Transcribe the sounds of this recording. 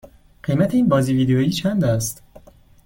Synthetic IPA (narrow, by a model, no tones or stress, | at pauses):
ɢ̥ejmæt̪ʰeiːnbɒːziːviːd̪ejojiːt͡ʃʰænd̪æst̪